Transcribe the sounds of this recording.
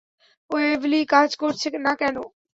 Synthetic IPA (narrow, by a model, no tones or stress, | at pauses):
oeːʋliːkaːt͡ʃkoːɾt͡ʃʰɪknakɛːnoː